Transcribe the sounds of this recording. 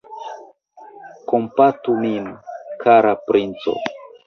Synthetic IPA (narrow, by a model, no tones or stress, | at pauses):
ko̞mpatuminkʰaɾapɾʔint͡so̞̰